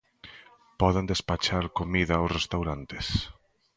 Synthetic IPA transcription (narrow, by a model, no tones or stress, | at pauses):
pɔðend̪espat͡ʃaɾkomiðɐːwsrest̪awɾant̪e̥s